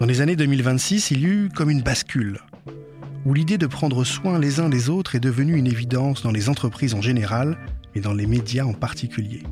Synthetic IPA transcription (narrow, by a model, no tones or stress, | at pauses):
d̪̥ɑ̃lezaned̪ømilvɛ̃t̪sisilykɔmynbaskʲyl | ulid̪ed̪əpχɑ̃d̪ʁəswɛ̃lezɛ̃d̪ezot̪χɛd̪əvənyynevid̪ɑ̃sd̪ɑ̃lezɑ̃t̪χəpχizɑ̃ʒeneʁalmɛd̪ɑ̃lemed̪jaɑ̃paʁt̪ikʲyljḛ